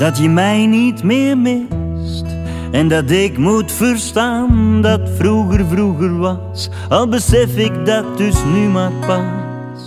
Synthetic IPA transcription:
d̥ɑtjəmɛjnitmɪːɹmɪs | t | ɛndɑt̬ɪkmutfərstaːndɑtfruɣərvruɣərʋɑss | ɑlˠbəsɛfɪkdɑt̚dʏsnymarpɑ

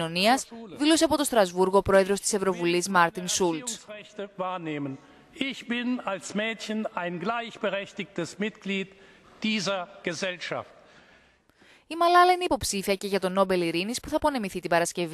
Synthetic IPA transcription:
o̞niɐsðilo̞s̬eɐpo̞t̪o̞st̪ɾɐzvuɾɣopɾo̞e̞ðɾo̞st̪i̥sevɾo̞vulizmɐɾt̪insulssʁɛçtəvaːɐneːmən | ɪçb̥ɪnalsmɛːtçənaɪnɡlaɪçb̥əʁɛçtɪçtəsmɪtɡ̥liːt | d̥iːzɐɡ̥əzɛlʃa̰ft | imɐlɐlɐineipo̞psifiɐce̞ʝɐt̪o̞no̞be̞liɾinispuθɐpo̞ne̞miθit̪ibɐɾɐsce̞v

